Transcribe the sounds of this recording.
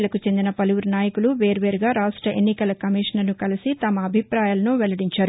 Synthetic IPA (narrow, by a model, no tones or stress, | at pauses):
lɐkut͡ʃe̞nd̪inɐpɐluʋuɾnaːjɐkuluʋe̞ːɾʋe̞ːɾuɡaːɾaːʂʈɾɐʔe̞nːikɐlɐkɐmiːʂɐnɐɾnukɐlisit̪ɐmɐːbʱipɾaːjaːlɐnuʋɛlɐɽiɲt͡ʃaːɾu